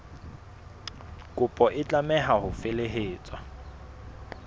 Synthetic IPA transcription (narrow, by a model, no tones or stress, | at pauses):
kʼʊpʼɔʔɪt͡ɬʼamɛɦaɦʊfeleɦeːt͡sʼwa